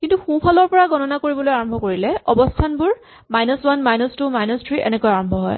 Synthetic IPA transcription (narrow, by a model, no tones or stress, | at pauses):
kintuxũpʰalɔɹpɔɹaɡɔnɔnakoɹibɔlojaɹɔmbʱɔkoɹilɛɔbɔstʰanbʊɹ | majnɔswanmajnɔstumajnɔstʰɹiʔɛ̰nɛkojaɹɔmbʱɔɦɔ̰j